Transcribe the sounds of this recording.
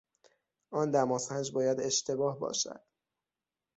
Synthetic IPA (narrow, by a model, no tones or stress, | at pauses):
ʔɒːnd̪æmɒːsænd͡ʒbɒːjæd̪e̞ʃt̪ʰe̞bɒːhbɒ̰ːʃæ̰d̪̥